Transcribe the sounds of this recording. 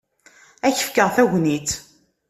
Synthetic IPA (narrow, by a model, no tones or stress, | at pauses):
æçə̥fkəʁθæʝnit̪